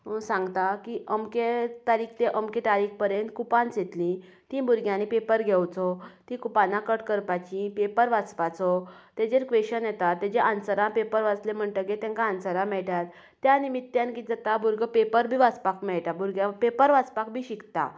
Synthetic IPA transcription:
sãŋɡt̪akiʔəmket̪aɾikʰt̪eʔəmket̪aɾik̚pəɾjent̪kupãnset̪lĩ | t̪ĩbuɾɡjãnipepəɾɡʱɛwt͡sɔt̪ĩkupanãkəʈkəɾpat͡ɕĩpepəɾʋat͡spat͡sɔt̪ed͡ʑeɾkʋeɕənjɛt̪at̪ːɛd͡ʑeʔansəɾãpepəɾʋat͡slem̤əɳʈ̪əket̪ɛ̃ŋkaansəɾãmɛɭʈat̪ː | janimit̪ːjankid͡zət̪abuɾɡəpepəɾbʱiːʋat͡spakmɛɭʈabuɾɡjapepəɾʋat͡spakbʱiːɕikt̪a̰

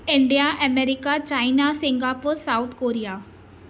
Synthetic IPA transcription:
ɪɳɖijaʔɛmeɾɪkat͡ʃaːɪnasɪŋɡapoɾsaʊt̪ʰkoːɾijaː

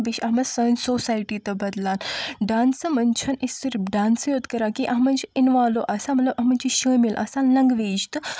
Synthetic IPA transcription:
biɕɐɦmɐsəːnsoːsaːjʈit̪ɐbɐd̪laːnɖaːnsɐmɐnt͡ʃʰɐnisiɾɖãːnsjoːd̪kɐɾakiʔaɦmɐnt͡ʃiinʋaːloʔɐsãmɐt̪lɐbɐɦmɐnt͡ʃiɕəːmilʔɐ̰sãːnlɐŋɡʋeːd͡ʒt̪

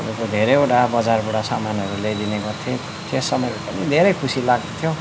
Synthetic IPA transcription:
ukod̪ʱeɾejeʈabʌd͡zarbuʈasamanɦʌɾuled̪inekat̪ʰẽ | t̪ʰesʌmʌjɾupʌnid̪ʱeɾʌjkʰusilaɡd̪ot̪ʰjo

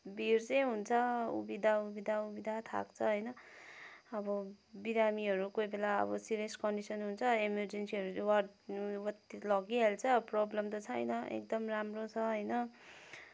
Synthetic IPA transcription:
bʱirt͡sʌjɦunt͡sʰʌṵbid̪ʱaubid̪ʱaubid̪ʱat̪ʰa̰kt͡sʰʌɦʌjnʌ | ʌbʌbiɾamiɦʌɾukojbelaʌ̰bʌsiɾieskʌɳɖisʌnɦunt͡sʰʌemerd͡zensiʌɾulewʌrɖwʌt̪ilʌɡiɦalt͡sʰʌproblʌmt̪ʌt͡sʰʌjnʌḛk̚d̪ʌmramrot͡sʰʌɦʌjnʌ

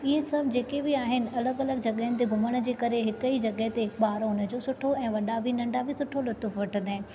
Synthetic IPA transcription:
ɪɦesɐbʱd͡ʑeːkebɪaːɦɪnɪ̆ɐləɡɐləɡd͡ʑɐɠəɦənɪ̆t̪eɡʱʊməɽ̃ə̆d͡ʑeːkɐɾeɦɪkəid͡ʑɐɠəɦt̪eɓaːɾoʊnə̆d͡ʑoːsʊʈʰoɛ̃ːʋɐɗabʱɪnɐ̃ɳɖabʱɪsʊʈʰolʊt̪əfʋɐʈʰə̃nd̪aːɦɪnɪ̆

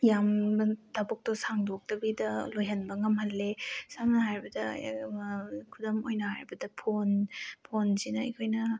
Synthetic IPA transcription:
jamɐtabok̚tosaŋdok̚tɐbidɐlojɦɐnbɐŋɐmhɐlːesamnɐɦaɾbɐdɐ | kʰudɐmojnɐhaɾbɐdɐpʰonpʰonsinɐɐ̰jkʰojnɐ

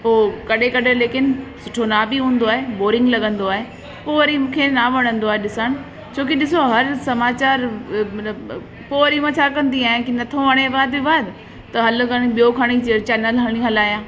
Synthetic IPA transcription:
ɦoːkɐɗekɐɗʱeleːkɪnsʊʈʰonaːbiɦũːnd̪oaːɦeboːɾɪ̃ŋɡlɐɠə̃nd̪oaːɦe | poːɾimũːkʰenaʋɐɽ̃ə̃nd̪oaːɦeɗɪsəɽ̃ | t͡ɕʰoːkiɗɪsoɦɐɾsɐmaːt͡ɕaːɾ | poːɾimãt͡ɕʰakɐ̃nd̪iaːɦɪ̃kinɐt̪ʰoʋɐɽ̃ebaːd̪bibaːd̪ɪ | t̪ɐɦɐl̆kɐɽ̃iɓijokʰɐɽ̃it͡ɕet͡ɕɛːnəlɦɐɽ̃ĩɦɐlaːjãː

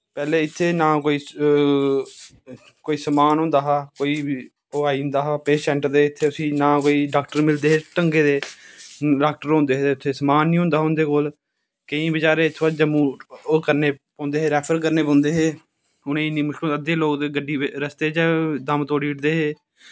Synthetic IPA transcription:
pɛːleːɪt̪ʰːeːnãːkoːiː | koːiːsəmaːnɦõːnd̪aːɦaːkoːiː | oːaːĩnd̪aːɦaːpeːsɛ̃ːɳʈəɾd̪eːɪt̪ʰːeːʊsĩːnãːkoːiːɖaːk̚ʈəɾmɪld̪eːɦeːʈəŋɡeːd̪eː | ɖaːk̚ʈəɾɦõːnd̪eːɦeʊt̪ʰːeːsəmaːnːĩːõːnd̪aːɦõːnd̪eːkoːl | kəĩːbɪt͡ʃaːɾeːɪt̪ʰʋad͡ʒəmũːoːkəɾneːpɔ̃ːnd̪eːɦeːɾɛːpʰəɾk̬əɾneːp̬ãːnd̪eːɦeː | ʊnẽːnĩːmʊʃkəd̪eːloːɡd̪eːɡəɖiːɾəst̪eːd͡ʒɛːd̪əmt̪oːɽiːʈd̪eːɦeː

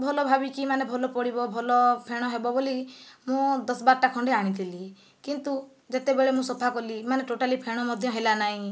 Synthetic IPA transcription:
bʱɔlɔbʱabikimanebʱɔlɔpɔɽibɔbʱɔlɔpʰeɽ̃ɔɦebɔbolimũd̪ɔsbaɾʈakʰɔɳɖiaɽ̃it̪ʰili | kint̪u | d͡ʒet̪ebeɭemũsɔpʰakɔlimaneʈoʈalipʰeɽ̃ɔmɔd̪ʱjɔ̃ɦelanaɦĩ

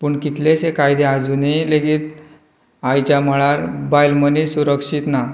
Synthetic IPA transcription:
pəːɳkit̪lesekajd̪ead͡zunileɡiːt̪ | ajt͡ɕaməɭaɾbajlmənisuɾəkʂit̪na

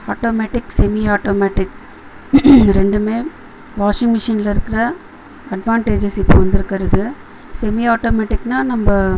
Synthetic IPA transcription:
aːʈoːmeːʈɪksɛmiaːʈoːmeːʈɪk | ɾɛɳɖɯmeː | ʋaːʂɪŋmɪʂiːnɪlɪɾɯkːɪɾɐ | ɐɖʋaːɳʈeːd͡ʒɪsɪpːo̰ʋɐnd̪ɪɾɯkːɪɾɐðɯ | sɛmiaːʈoːmeːʈɪkːnaːnɐmbɐ

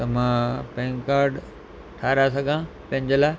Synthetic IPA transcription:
t̪ɐmãpɛ̃ːŋkaːɾɖ | ʈʰaːɾasɐɡʱã | pɐ̃ɪ̃ɲd͡ʑəlaː

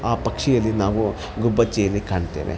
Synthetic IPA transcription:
aːpɐkʂɛjɐlːinaːʋu | ɡubɐt͡ʃːejɐlːikaːɳt̪ḛːʋḛ

